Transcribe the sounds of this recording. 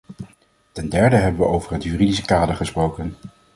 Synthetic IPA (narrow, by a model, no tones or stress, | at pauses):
tɛndɛɹdəɦɛbənʋəʔowvəɹɦətjyːridisə̥kaːdəɹχəsprowkən